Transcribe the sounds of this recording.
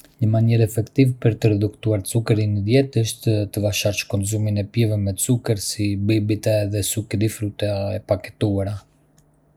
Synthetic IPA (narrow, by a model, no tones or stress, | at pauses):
ɲəmaɲɛɾɛfɛkt̪ivɛpəɾt̪əɾɛd̪ukt̪uaɾt͡sukəɾinəd̪jɛt̪əʃt̪ət̪əvaʃaɾt͡ʃkɔnzuminɛpjɛvɛmɛt͡sukəɾsibibit̪ɛðɛsukɾifɾut̪ɛaɛpakɛ̥t̪uaɾa